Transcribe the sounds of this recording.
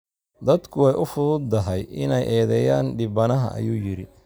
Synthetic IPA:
d̪ɐd̪kʰʊwɛjʔʊfʊðʊd̪ːɐɦɛjɪnɛjʔɛːðɛːjaːnɖɪbɐnɐɦɐ̰ʔɐ̰juːjɪɾɪ

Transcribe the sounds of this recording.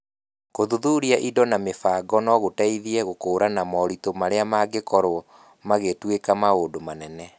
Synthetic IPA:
koðuðuɾiaʔidɔnamefaːɡɔnɔɣotaiðiɛɣokoːɾanamɔɾitomaɾeamaɡekɔɾo | maɣetwekamaodomanɛnɛ

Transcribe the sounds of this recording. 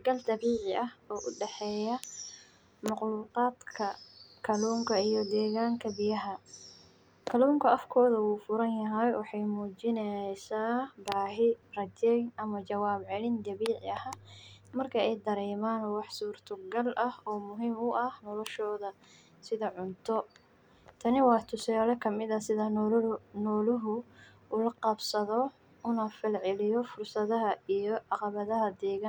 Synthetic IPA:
ɡɐlt̪ɐβiːʕɪɐhɔːʔʊɖɛħɛːjɐ | mɑqluːqɑːd̪kʰɐkʰɐluːŋkʰɐijɔd̪ɛːɣaːŋkʰɐbɪjɐɦɐ | kʰɐluːŋkʰɐʔɐfkʰɔːðɐwuːfʊɾɐnjɐɦɛjwɑħɑjmuːt͡ʃɪnɛsaːbaːɦɪrɐd͡ʒɛjnʔɐmɐt͡ʃɐwaːbʕɛlɪnd̪ɐβiːʕɪɐhaːmɐrkʰɐɛjd̪ɐɾɛːmaːnwɑħsuːrt̪ʰɐɡɐlʔɐhɔːmʊɦiːmʊʔɐhnɔlɔʃɔːðɐ | sɪðɐʕʊnt̪ʰɔ | t̪ʰɐnɪwɑːt̪ʰʊsaːlɛkʰɐmɪðɐsɪðɐ | nɔːlɪɦʊ | ʊlɐqɑbsɐðɔ | ʊnɐfɪlʕɪlɪjɔfʊrsɐðɐɦɐijɔʕɑqɑβɐðɐɦɐd̪ɛːɣa

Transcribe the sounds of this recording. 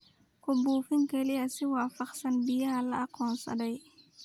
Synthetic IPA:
kɔbuːfiŋkɛliɐsiwaːfɐqsɐnbijalɐːqɔːnsɐ̰dɐj

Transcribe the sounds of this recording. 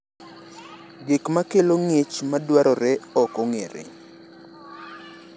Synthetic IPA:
ɡekmakeloŋet͡ʃmadwaɾɔɾɛɔkɔŋeɾḛ

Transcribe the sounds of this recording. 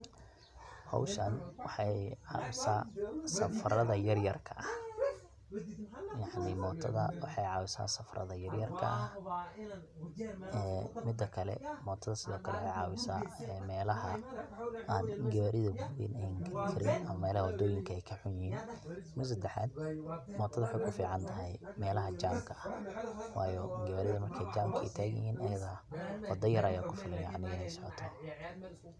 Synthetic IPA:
hɑ̰wʃɐnwɑħɑjʕɑ̰ːwɪsaːsɐfrɐðɐjɐrjɐrkʰɐʔɐh | jɑʕnɪmɔːt̪ʰɐðɐwɑħɑjʕɑːwɪsa̰ːsɐfrɐ̰ðɐjɐrjɐrkʰɐ̰ʔɐh | ɛːmɪd̪ːɐkʰɐlɛ̰mɔːt̪ʰɐðɐsɪðɔːkʰɐlɛwħɑjʕɑːwɪsa̰ːmɛːlɐɦɐ | ʔaːnɡɐβaɾɪðɐɡʊbḭːnɛjɪŋɡɐɾɪkʰɪɾɪnɐmɐmɛːlɐhɐwɔd̪ɔːjɪŋkʰɐɛjkʰɐħʊnjɪhiːnmʊs̬ɐd̪ɛħa̰ːd̪mɔːt̪ʰɐðɐwħɑjkʰʊfiːʕɑnt̪ʰɐɦɛjmɛːlɐɦɐd͡ʒaːmkʰɐɐwɑːjɔɡɐβaɾɪðɐmɐrkʰɛjd͡ʒaːmkʰɐɪt̪ʰaːɣɪ̰hiːnʔɐjɐðaːwɐd̪ɔjɐɾʔɐjaːkʰʊfɪlɪjaʔɐnɪɣɐɪnɛjsɔʕɔ̰t̪ʰɔ

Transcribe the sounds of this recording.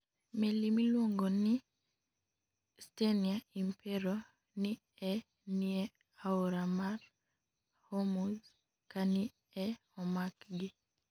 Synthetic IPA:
melimilwoŋɡɔni | steniaimpʰɛɾo | ni | ɛ | niɛ | auɾamaɾ | homuz | kani | ɛ | ɔmakɡi

